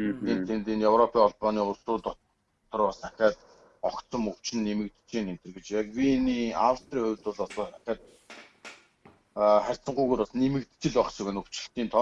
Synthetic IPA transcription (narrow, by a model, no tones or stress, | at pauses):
ent̪ʰent̪eːnjewrɔpʰiːŋɔɮpɔːniːʊrsʊːt̪ɔ | t̪ʰɞ̆rpɔsḁxʲæːt̪ | ɔkt̪sɞ̆mɵw̥t͡ɕɪ̆nːemɘ̆k̚t̪t͡ɕiːnemt̪ɘrɣɘ̆t͡ɕakwiniːa̰wst̪riːχʊjʲwt̪ʊɮɔsɔːtaxʲæːt̪̚ | χærʲt͡sə̆ɴɢujɣuːɾpasnemɘ̆kt̪t͡ɕɪ̆ɮɔksɵ̆ɣɘ̆nɵw̥t͡ɕɪ̆ɬt̪iːnt̪ʰɔ